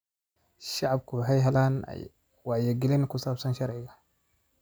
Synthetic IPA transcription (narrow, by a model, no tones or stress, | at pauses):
ʃaʕab̚kubħajɦalan̰ | wajaɡilenkusabsanʃaɾʕija